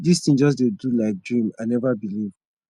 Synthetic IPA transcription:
dist̪ĩŋd͡ʒɔs̬dedulaɪk̚dɹĩmã̰nɛvabiliv

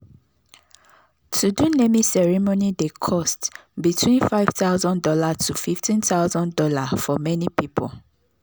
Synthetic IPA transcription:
tʰudunemisɛɹɛmonidekʰɔst | bitʰwĩnfaɪv̥taʊzɔ̃ndɔlatʰufiftĩntaʊzɔ̃ndɔlafɔmɛnipipʰo̰l

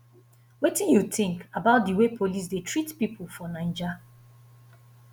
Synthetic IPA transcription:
wetĩnjutɪ̃ŋkabaʊt̚diwepʰolis̬detɹitpipʊlfɔnãɪ̃nd͡ʒa

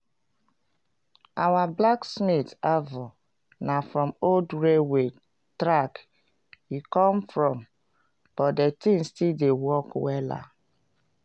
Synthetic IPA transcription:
awablaksmitavɔ | nafɹɔ̃moldɹewe | tɹak | jikɔ̃mfɹɔ̃m | b̥ɔdɛtĩnstildewɔkwɛla̰

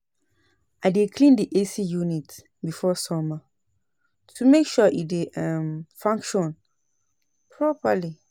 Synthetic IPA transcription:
aɪdekʰlĩndiʔesijunit | bifɔsɔma | tʰumekʃɔʔideʔamfãŋkʃɔ̃n | pʰɹɔpali

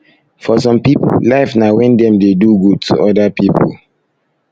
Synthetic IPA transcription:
fɔs̬ɔ̃mpiplaɪfnawɛ̃ndɛ̃mdeduɡud̚tʰṵʔɔdapipʰo̰l

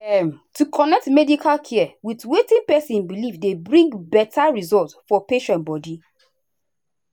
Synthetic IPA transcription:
ɛmtukʰɔnɛk̚tmɛdikʰalkʰɛɛwitwetĩnpɛsĩnbilivdebɹĩŋɡbɛtaɹizɔltfɔpeʃɛ̃ntbɔdi

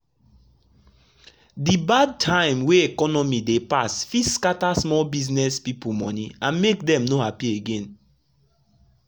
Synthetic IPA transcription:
dibad̚tʰãɪ̃mweekɔnɔmidepasfiskatasmɔlbiznɛspipumɔniãnmekdɛ̃mnohapieɡẽn

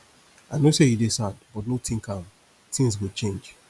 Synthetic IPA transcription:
anosejidesad̚bɔtnotʰĩŋkʰãm | tʰĩŋzwit͡ʃẽnd͡ʒ

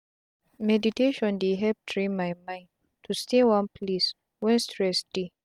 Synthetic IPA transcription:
mɛditeʃɔ̃ndeɦɛp̚tʰɹẽnmajmãj̃nd | tʰustewãnplis | wɛ̃nstɹɛsd̥i

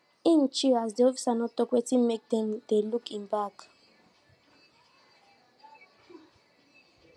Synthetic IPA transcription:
ĩnt͡ʃiazdiofisanɔtɔkwetimek̚d̪ɛ̃md̪elukʰĩnbak

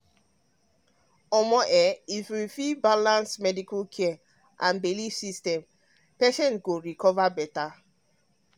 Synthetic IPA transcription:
ɔmɔ̃ʔɛifwifibalãnsmɛdikalkʰɛɛ | ʔãnbelisistɛ̃m | pɛʃɛ̃ntɡoɹikɔvabɛta

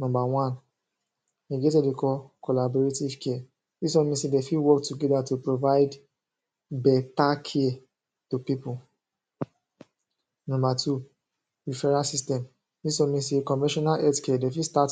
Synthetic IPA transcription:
nɔ̃mbawãn | neɡetɛdekɔkolabɔɹetivkʰɛɛ | diswɔ̃mĩsedefiwɔktuɡɛdatupɹovaɪd | bɛtakʰɛɛ | tupipu | nɔ̃mbatʰu | ɹifɛɹasistɛ̃m | diswɔ̃mĩsekɔ̃vɛ̃ʃɔ̃nalɛtkɛadefistat

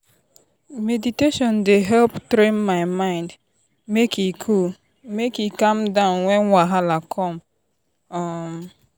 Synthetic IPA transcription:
mediteʃɔ̃ndeɦɛlptɾẽnmaɪmãɪ̃nd | mekikʰul | mekikãmdãʊ̃nwɛnwaɦalakʰɔ̃m | ɔm

